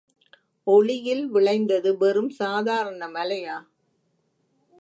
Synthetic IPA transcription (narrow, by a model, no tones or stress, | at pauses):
ɔɭɪjɪlʋɪɭɐɪnd̪ɐðɯʋɛɾɯmsaːðaːɾɐɳɐmɐlɐjaː